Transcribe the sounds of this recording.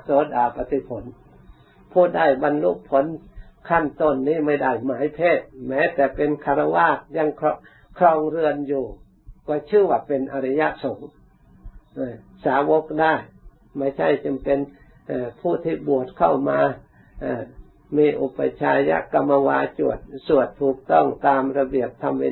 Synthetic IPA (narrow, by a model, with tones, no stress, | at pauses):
soː˨˦daː˨˩pa˧t̪i˧˦pʰo˨˦n | pʰuː˧˩daː˧˩jba˧nlṵ˦˥ʔpʰːo˨˦nkʰa˥˩˨nt̪o˧˩˨nːiː˧˥˩ma˥˩jda˧˥˩jmaː˨˦jpʰeː˧˥˩t̪̚mɛː˧˥t̪ɛː˨˩pe˧nkʰa˧ɾa˧waː˧˥˩k̚ja˧˥˨ŋkʰɔ˧ | kʰɾɔː˧ŋɾɯ˧ənjuː˨˩ | kɔː˧˩t͡ɕʰɯː˥˨waː˧˩pe˧nʔa˧ɾa˧ja˧˥ʔso˨˦ŋ | ʔaː˧˩ | saː˨˦wo˧˦˥k̚daː˧˥˩j | ma˧˥˩jt͡ɕʰa˥˩jt͡ɕa˧mpe˧n | ʔaː˧˩pʰuː˧˥˩t̪ʰiː˧˩bu˨˩ət̪̚kʰa̰˥˩wmaː˧ | ʔaː˧˩ | miː˧ʔu˧˩pa˧t͡ɕʰaː˧ja̰˧˥ka˧mːa˧waː˧t͡ɕu˨˩ət̪̚su˨˩ət̪ʰːuː˨˩k̚t̪ɔ˥˩ŋt̪aː˧mɾa˧bi˨˩əp̚t̪ʰa˧mwe˧